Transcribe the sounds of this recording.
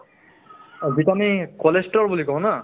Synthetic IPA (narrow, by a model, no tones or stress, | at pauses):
zitamikɔlesʈɔɹbulikɔɦɔ̃na